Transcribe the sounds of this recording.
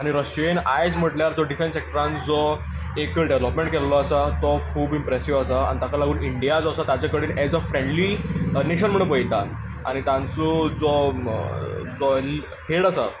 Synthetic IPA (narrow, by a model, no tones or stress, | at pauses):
aɽ̃iɾəɕenajd͡zm̤əʈljaɾd͡zɔɖifẽnsek̚ʈəɾãnd͡zɔ | ekɖeʋləpmẽɳʈkɛllɔasat̪ɔkʰuːbimpɾɛsiʋasaa̰nit̪akalaɡuːniɳɖijad͡zɔasat̪at͡ɕakəɽiːnɛd͡zəfɾẽɳɖlineɕənm̤əɽ̃ẽpəjt̪a | a̰ɽ̃it̪ãnt͡sɔd͡zɔ | d͡zɔl | helasa